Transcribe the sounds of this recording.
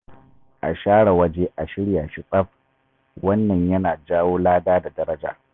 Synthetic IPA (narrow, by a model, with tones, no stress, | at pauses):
ʔa̰˨ʃaː˦ɽa˨wɐ˦d͡ʒe˦ʔa˨ʃɪ˦ɽjaː˨ʃɪ˨sʼɐ˦ɸ | wɐ˦nːɐ˨ɲjɐ˦naː˨d͡ʒaː˦woː˦laː˦daː˦da˨dɐ˦ɾɐ˦d͡ʒa̰ː˨